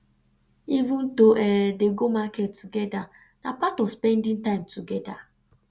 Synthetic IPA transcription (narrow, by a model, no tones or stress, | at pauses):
ivũntoʔɛdeɡomakɛtːuɡɛda | napatɔvspɛ̃ndĩŋtãɪ̃mtʰuɡɛda